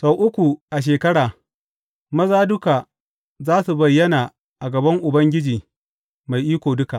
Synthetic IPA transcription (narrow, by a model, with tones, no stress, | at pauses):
sa˨wʔʊ˦kʷu˨ʔa˨ʃ̬eː˨kɐ˦ɽaː˨ | mɐ˦zaː˦dʊ˦ka˨ | zaː˦su˨bɐ˨jːɐ˦naː˨ | ʔa˨ɡɐ˨bɐ˦ŋʔʊ˨bɐ˦ŋɡʲɪ˦d͡ʒiː˨ | ma˨jʔiː˦kʷoː˨dʊ˦ka˨ʔ